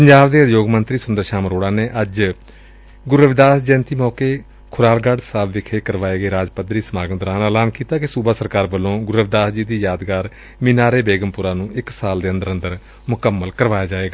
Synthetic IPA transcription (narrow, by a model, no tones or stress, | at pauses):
pəɲd͡ʒaːbd̪eːjoːɡmənt̪ɾiːsʊnd̪əɾʃaːməɾoːɽaːneːʔəd͡ʒ | ɡʊɾəʋd̪aːsd͡ʒɛ̃ːnt̪iːmɔːkeː | kʰʊɾaːlɡaːɖsaːbʋɪkʰeːkəɾʋaːeːɡeːɾaːd͡ʒpəd̪ɾiːsəmaːɡənd̪ɾaːnəːlaːnkiːt̪aːkɪsuːbaːsəɾkaːɾbəlːõːɡʊɾəʋd̪aːsd͡ʒiːd̪iːjaːd̪ɡaːɾ | mɪːnaːɾeːbeːɡəmpʊɾaːnũːʔɪksaːld̪eːə̃nd̪əɾənd̪əɾ | mʊkəmːəlkəɾʋaːjaːd͡ʒaːeːɡaː